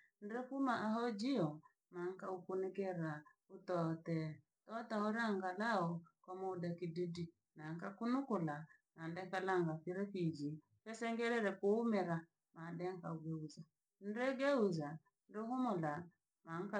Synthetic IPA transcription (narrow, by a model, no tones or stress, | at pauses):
n̩dɛkumaʔaɦɔd͡ʒiɔ | maŋ̩kaukunɛkɛɾa | utɔtɛ | tɔtaɔɾaŋɡalaɔkɔmɔudakididi | naŋ̩kakunʊkʊla | nandɛkalaŋɡafiɾɛfid͡ʒi | kɛsɛŋɡɛɾɛɾɛkʊmɛɾa | mandɛŋ̩kauɡeuza | n̩ɾɛɡeuza | n̩dɛɦʊmʊla | maŋ̩ka